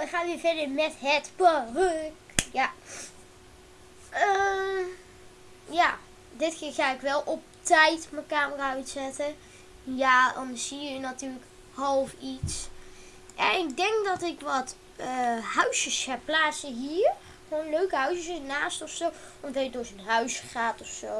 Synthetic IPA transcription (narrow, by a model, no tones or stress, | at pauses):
ʋəχaːnʋɪːɹvɛdəɹmɛtɦətparɵkja | ə | jaː | dɪtxɪːɹχaːɪkʋɛlˠʔɔp̚tɛjtməkaːməraːœɥtsɛtə | jaːdɑnəz̥iəənatyːlək | hɑlˠfits | ʔɛnɪɡ̚dɛŋkdɑtɪkʋɑt | əɦœɥsjəshɛpːlaːtsəɦiːɹ | χʋoːnløɥkəɦœɥsəsənaːstɔfsow | ʋɔndɑjədʊːɹzənɦœɥsχaːtɔfsow